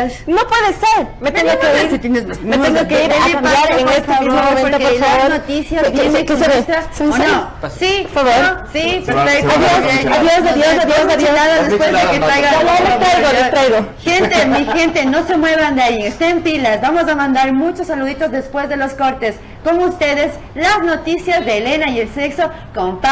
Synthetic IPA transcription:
nopweðeseɾmeeŋɡoɡeisit̪jenemameenokeiɾeeaoeofaβoɾpoɾkefaaβoɾnot̪isjastjenekeesasono | sifaβoɾosipeɾfej̪aðjoeaðjosaðjoaðjosaβoaðaðepwezðekett̪ɾajɣaooleoɾajɣoet̪ɾajɣoxent̪emixe̞nt̪e̞no̞se̞mwe̞βand̪eajeŋest̪eempilazbamo̞s̬amãnd̪aɾmut͡ʃosːaluðit̪o̞zðespwe̞zðe̞lo̞sko̞ɾt̪es | ko̞moust̪e̞ðe̞s | lazno̞t̪isjazðeːle̞naje̞lse̞kso̞ | kompa

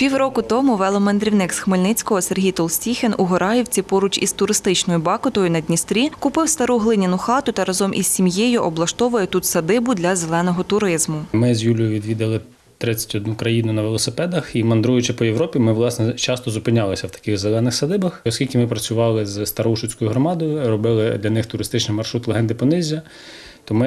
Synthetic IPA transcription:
pʲiwrɔkʊt̪ɔmʊʋɛlˠɔmend̪ɾʲiwnɪksxmelʲnɪt͡sʲkɔɦɔserɦʲijt̪ɔlˠsʲtʲixenʊɦɔɾɑjiwt͡sʲipɔɾʊt͡ʃḭst̪ʊɾɪst̪ɪt͡ʃnɔjʊbɑkʊt̪ɔjʊnɐd̪ʲnʲist̪ɾʲikʊpɪwst̪ɐɾuɦlˠɪnʲɐnʊxɑt̪ʊt̪ɐɾɐzɔmʔiz̥ʲsʲimjejʊʔɔblˠɐʃt̪ɔʋʊjɛt̪ut̪sɐd̪ɪbʊd̪lʲɐzelˠɛnɔɦɔt̪ʊɾɪzmʊmɪzʲjulʲʊjʊʋʲid̪ʋʲid̪ɐlˠɪ | t̪ɾɪt͡sʲːɐ̥tʲɔd̪nukɾɐjinʊnɐʋelˠɔsɪpɛd̪ɐximɐnd̪ɾujʊt͡ʃɪpɔjeʋɾɔpʲimɪʋlˠɑsnɛt͡ʃɑst̪ɔzʊpɪnʲɑlˠɪsʲɐwt̪ɐ̥kɪɣzelˠɛnɪxsɐd̪ɪbɐxɔskʲilʲkʲɪmɪpɾɐt͡sʲʊʋɑlˠɪzst̪ɐɾɐuʃʊt͡sʲkɔjʊɦɾɔmɑd̪ɔjʊrɔbɪlˠɪd̪lʲɐnɪxt̪ʊɾɪst̪ɪt͡ʃnɪjmɐrʃɾut̪lˠeɦɛnd̪ɪpɔnɪzʲːɐ | t̪ɔmɪ

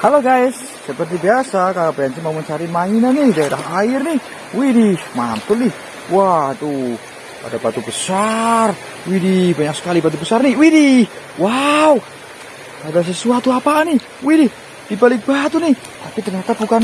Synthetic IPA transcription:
haloɡaisːəpərt̪ibiasakaɾabajansimaumənt͡ʃaɾimainanihdaeɾaɦaɪrnih | widihmant̪ʊlnih | wat̪u | pa̰dabat̪ubəsar | widibaɲak̚sə̥kalibat̪̬ubəsarniwiɾi | wau | padas̬əsuat̪uapani | wiɾih | dipalik̚b̥at̪unih | t̪apit̪ərɲat̪abukan

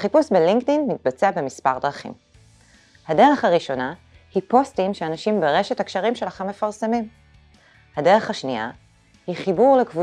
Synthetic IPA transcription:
χipusbeliŋktinmit̚bat͡seabe̞mispaʁd̪ʁaχḭm | hade̞ʁeχaʁiʃo̞na | hipo̞stimʃeanaʃimbeʁe̞ʃethakʃaʁimʃelaχemːefaʁsemim | hadeʁeχhaʃnia̰ | hiχibuʁlekvu

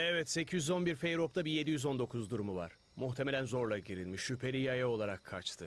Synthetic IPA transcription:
ɛvɛt̪se̞cʰijyzo̞nbiɾfe̞jɾo̞p̚t̪ʰabije̞d̪ijyzo̞nd̪o̞kʰuzd̪uɾumuva̰ɾ̥ | muxt̪ʰe̞melʲænzo̞ɾlˠaɟiɾilʲmiʃːypʰe̞ɾijajao̞lˠaɾakʰːat͡ʃt̪ʰɯ

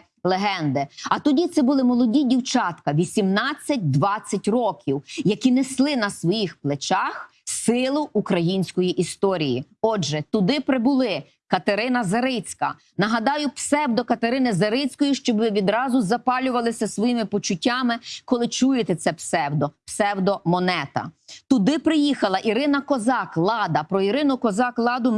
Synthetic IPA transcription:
lˠeɦɛnd̪ɪɐt̪ɔdʲit̪sɛbʊlˠɪmɔlˠɔdʲidʲiwt͡ʃɑt̪kɐʋʲisʲimnɑt͡sʲːɐt̚ʲd̪ʋɑt͡sʲːɐtʲrɔkʲiwjɐkʲineslˠɪnɐsʋɔjixplˠet͡ʃɑx | sɪlˠʊʔːkɾɐjinʲsʲkɔjiʔist̪ɔɾʲijḭ | ɔdʒɛt̪ʊd̪ɪpɾebʊlˠɪ | kɐt̪eɾɪnɐzɐɾɪt͡sʲkɐ̰ | nɐɦɐd̪ɑjʊpsɛwd̪ɔkɐt̪eɾɪnɪzɐɾɪt͡sʲkɔjiʃt͡ʃɔbʋɪʋʲid̪ɾɑzʊzɐpɑlʲʊʋɐlˠɪsʲɐsʋɔjimɪpɔt͡ʃʊtʲːɑmɪkɔlˠɪt͡ʃujɪt̪ɛt̪sɛpsɛwd̪ɔpsɛwd̪ɔmɔnɛt̪ɐ̰t̪ʊd̪ɪpɾɪjixɐlˠɐʔiɾɪnɐkɔzɑklˠɑd̪ɐpɾɔiɾɪnʊkɔzɑklˠɑd̪ʊ

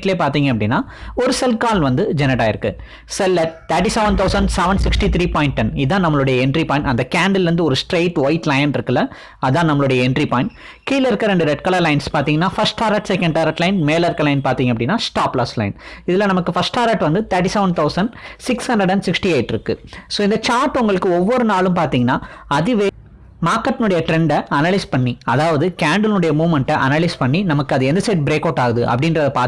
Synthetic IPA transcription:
ʈɪleːpaːɾt̪iːŋɡɐpːɐɽɪnːaːɔɾɯsɛlkaːlʋɐnd̪ɯd͡ʒɛnːɐʈaːɪɾɯkːɯ | sɛlːɐt̪ɐɾʈːisɛʋɐnɖt̪ʰɐʊsɐɳɖsɛʋɐɳɖsɪksʈit̪ʰɾiːpaːjɪ̃ɳʈ̚ʈɛnɪðãːnɐmːɐɭɯɽɐjɐɛɳɖɾipaːɪ̃ɳʈɐnd̪ɐkaːɳɖɐlɾɯnd̪ɯɔɾɯsʈɾeːʈʋɐɪʈːlɐjnɪɾɯkːɪlːɐ | ɐðãːnɐmːɐɭʊɽɐjɐɛɳɖɾipaːjɪ̃ɳʈ | kiːlɪɾɯkːɐɾɛɳɖɯɾɛʈ̚kɐlɐɾlɐɪnspaːɾt̪iːŋɡɐnːaːfɐsʈaːɾaːʈsɛkɐ̃ɳɖaːɾɐʈlɐɪnmeːlɐɾkɐlɐɪnpaːɾt̪iːŋɡɐpːɐɽɪnːaːsʈaːpːlɐslɐɪnɪðɪlːɐ̃nɐmɐkːɯfɐsʈaːɾaʈʋɐnd̪ɯt̪ɐɾʈ̬ːisɐʋɳɖ̚t̪ʰɐʊsɐnɖsɪkshɐɳɖɐɽɖɛnsɪksʈieɪʈːɪɾɯkːɯ̰soːɪnd̪ɐt͡ʃaːɾʈːʊŋɡɐɭɯkːɯɔʋːɔɾɯnaːɭɯ̃mpaːɾt̪iːŋɡɐnːaːɐðɯʋeː | maːɾkːɐʈːɪnʊɽɐjɐʈɾɛɳɖɐɐnɐlɐɪspɐɳːiɐðaːʋɐðɯkaːɳɖɐlnɯɽɐjɐmuːʋmɐɳʈɐʔɐ̰nɐlɐɪspɐɳːinɐmɐkːɯɐðɯɛnd̪ɐsɐɪʈ̚bɪɾeːkɐːʈːaːɣɐðɯʔɐ̰pːɐɽɪndɾɐðɐpaː

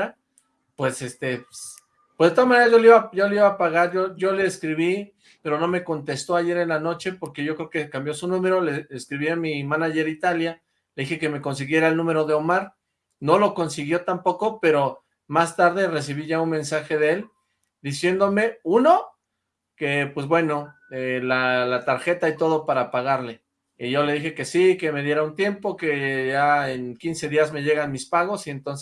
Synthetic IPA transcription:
a | pwe̞se̞st̪epe | pwzðet̪oamaneɾazʝo̞liβaɟ͡ʝo̞leiβapaɣaɾʝoʝo̞le̞ːskɾiβi | pe̞ɾo̞no̞me̞ko̞nt̪e̞st̪o̞aʝe̞ɾenlano̞t͡ʃe̞po̞ɾke̞ʝo̞kɾeokekambjo̞sunũme̞ɾo̞le̞eskɾiβiamimanaʝe̞ɾit̪alja | le̞ðixe̞ke̞me̞ko̞ns̬iɣje̞ɾaelnũme̞ɾo̞ðe̞omaɾ | no̞lo̞ko̞nsiɣjo̞t̪ampo̞ko̞pe̞ɾo̞ | mast̪aɾðe̞re̞s̬iβiʝaunmẽ̞nsaxe̞ð̞eel | d̪isje̞nd̪o̞me̞uno̞ | ke̞pwe̞zβwe̞no̞ | elalat̪aɾxe̞t̪ait̪o̞ð̞o̞paɾapaɣaɾle̞ | iʝo̞le̞ð̞ixe̞ke̞sike̞me̞ðje̞ɾaunt̪je̞mpo̞ke̞ʝaenkinse̞ðiazme̞ʝe̞ɣanmispaɣ̞o̞sie̞nt̪onse

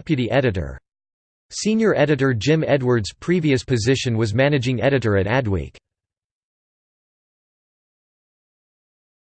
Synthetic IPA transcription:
pjɨɾiʔɛɾɨɾə̰˞ | sĩnjə˞ʔɛɾɨɾə˞d͡ʒɪ̃mɛd̚wə˞dz̥pʰɹ̥iviɨspʰɨzɪʃɨ̃nwʌzmænɨd͡ʒɪ̃ŋɛɾɨɾə˞ɨɾæd̚wḛk

